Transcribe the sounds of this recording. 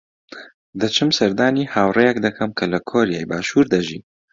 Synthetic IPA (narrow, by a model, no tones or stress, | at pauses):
d̪ɐt͡ʃʰɨmsɐɾd̪aːnihaːwrejɛkd̪ɐkʰɐmkʰɐlɐkʰoːɾijaːjbaːʃuːɾd̪ɐʒḭː